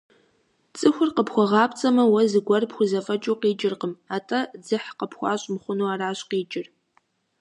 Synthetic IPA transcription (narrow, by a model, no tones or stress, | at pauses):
t͡sʼɨxʷʊrqəpxʷɔʁɑːpt͡sʼɐmɐwɐzɨɡʷɐrpxʷʊzɐfɐt͡ʃʼuːqiːt͡ʃʼɪrqəmaːtʰʼɐd͡zɨħqəpxʷɑ̰ːɕʼmχʷʊnuːaːraːɕqiːt͡ʃʼɪr